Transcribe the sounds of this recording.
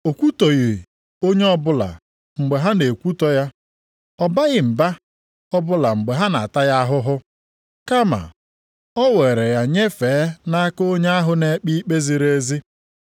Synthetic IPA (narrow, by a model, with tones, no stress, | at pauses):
o˨kʷu˦to˨ɣi˨ | o˦ɲe˦ɔ˦bʊ˦la̰˨ | ŋ͡m̩˨ɡ͡be˨ɦa˦ne˨kʷu˦tɔ˦ja˦ | ɔ˦ba˦ɣɪ˦m̩˨ba˦ | ɔ˦bʊ˦la˨ŋ͡m̩˨ɡ͡be˨ɦa˦na̰˨ta˦ja˦ɦʊ˦ɦʊ˦ | ka˦ma̰˨ | ɔ˦we˨ɾe˨ja˨ɲe˦fe˨˦na˦ko˦ɲe˦a˦ɦʊ˦ne˦k͡pi˦k͡pe˦zi˦ɾe˦zi˦